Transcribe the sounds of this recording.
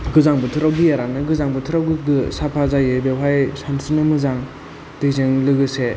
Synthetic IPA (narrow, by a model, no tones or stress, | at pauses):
ɡɯzaŋbɯtʰɯɾawɡijaɾanɯɡɯzaŋbɯtʰɯɾawɡɯɡɯsapʰazajebewɦajsansɯnɯmɯzaŋ | d̥ezeŋlɯɡɯse